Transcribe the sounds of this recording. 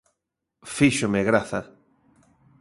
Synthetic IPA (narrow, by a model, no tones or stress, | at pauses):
fiʃomeɣɾaθa